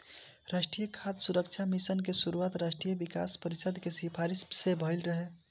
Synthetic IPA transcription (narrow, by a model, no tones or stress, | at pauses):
ɾasʈɾijəkʰat̪suɾəkt͡ʃʰamisənkesuɾuaːt̪ɾaːʃʈɾijəʋika̰spəɾisəd̪ʱkesipʰaɾissebʱəɪlɾəɦe